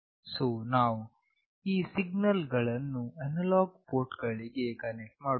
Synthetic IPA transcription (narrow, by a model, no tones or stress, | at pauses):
soːnaːʋu | iːsiɡnɐlɡɐɭɐnːuɐnɐlaːɡpoːɾʈɡɐɭiɡe̞kɐnek̚ʈmaːɽ